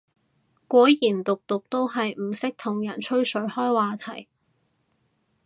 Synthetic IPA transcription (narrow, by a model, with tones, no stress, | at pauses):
kʷɔː˨˥jiː˨˩nt̪ʊ˨k̚t̪ʊ˨k̚t̪o˥wɦɐ˨jm̩˨˩sɪ˥k̚t̪ʰʊ˨˩ŋjɐ˨˩nt͡ʃʰɵ˥ɥsɵ˨˥ɥhɔː˥jwaː˨˩t̪ʰɐ˨˩j